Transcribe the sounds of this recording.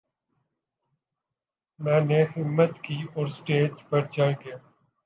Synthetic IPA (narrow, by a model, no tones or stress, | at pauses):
mɛ̃ːneɦɪmːət̪kiːɔːɾsʈeːd͡ʒpəɾt͡ʃaːike